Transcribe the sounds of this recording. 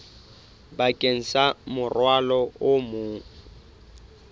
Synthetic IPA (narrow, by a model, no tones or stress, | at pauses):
bakʼen̩samʊrwalɔʊmʊ